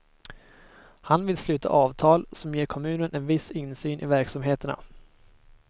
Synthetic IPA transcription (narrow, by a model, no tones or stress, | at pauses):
hanvɪlslʉ̟ːt̪ʰa̰ʔɑːvt̪ʰɑːlsɔmjeːɾkʰɔmʉ̟ːnənɛnvɪsɪnsyːnʔɪvæɾksamɦeːt̪əɳa̰